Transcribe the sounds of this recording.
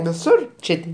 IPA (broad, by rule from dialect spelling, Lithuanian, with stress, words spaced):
ʋʲɪˈsʊr ˈt͡ʃʲeː tʲɪ